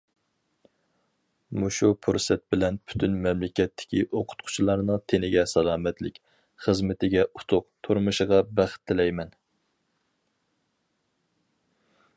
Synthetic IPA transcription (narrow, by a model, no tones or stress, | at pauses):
muʃupʰuɾsɛt̪̚bɪlɛnpʰy̥t̪ʰynmɛmlɪkʲɛt̪ːɪ̥kʲiʔoqʰʊ̥t̪̚qʰʊ̥t͡ʃʰilˠɑɾnɨŋt̪ʰenɪɡʲɛsɑlˠɑːmɛt̪lɪkʲ | χəzmɪt̪ʰɪɡʲɛʔut̪ʰʊq̚t̪ʰuɾmuʃəʁɑbæχɪ̥t̪ʰːɪlɛjmɛn